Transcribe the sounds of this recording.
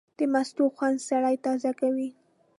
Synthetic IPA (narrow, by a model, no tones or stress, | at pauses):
d̪̥əmast̪uxwand̪saɽajt̪ɑzakawi